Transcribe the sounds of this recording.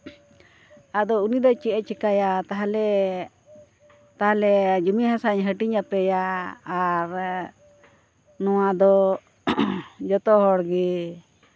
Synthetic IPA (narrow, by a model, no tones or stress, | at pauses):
ad̪ɔunid̪ɔt͡ʃɛʔɛt͡ʃɛkajat̪aɦalɛ | t̪aɦalɛd͡ʒumiɦãsaɲɦəʈiɲapɛjaː | ɾ | nɔwad̪ɔ | d͡ʒɔt̪ɔɦɔɽɡɛ